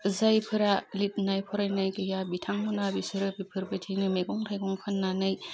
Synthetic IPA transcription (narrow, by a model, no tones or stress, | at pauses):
zajpʰɯɾalit̚najpʰɔɾajnajkɯjabitʰaŋmɔnabisɯɾɯpipʰɯɾbatʰinɯmeɡɔŋtʰajɡɔŋkʰɯnːanɯj